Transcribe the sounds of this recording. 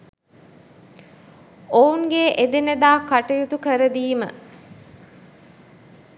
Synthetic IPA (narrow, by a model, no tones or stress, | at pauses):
ouŋɡeʔed̪enəd̪aːkːaʈɐjut̪ukəɾəd̪iːmə